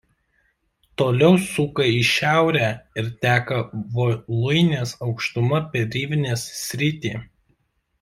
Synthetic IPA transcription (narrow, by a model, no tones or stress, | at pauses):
t̪oːlʲɛʊsʊkɐɪʃʲæˑʊɾʲæɪɾt̪ʲæːkɐʋolˠʊɪnʲeːsɐʊkʃt̪ʊmɐpʲɛɾʲiːʋʲɪnʲeːssʲɾʲɪt̪ʲiː